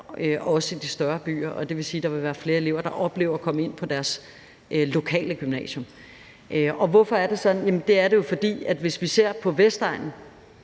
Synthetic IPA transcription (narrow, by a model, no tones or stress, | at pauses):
øʔɒ̽səid̥isd̥ɶɐb̥y̰ːɐʔɒ̽d̥e̝ʋe̝siːd̥ɑ̈ʋe̝ʋæːɐfle̝ːɐe̝le̝ʊ̰ɐd̥ɑ̈ʔɒ̽b̥le̝̰ːʊ̰ɐkʰɒ̽məe̝n̰pʰɒ̽d̥æɐs | ʔlo̝kʰɛ̰ːləɡ̥ymnɛ̰ːɕjɔ̽m | ʔøɒ̽ʋɒfɒ̽æɐd̥esɒ̽d̥n̩jæmn̩d̥e̝æɐɾe̝jo̝fɒ̽d̥ḭːæd̥ʋe̝sʋise̝ɐ̰pʰɒ̽ʋesd̥ɑ̈ɪnn̩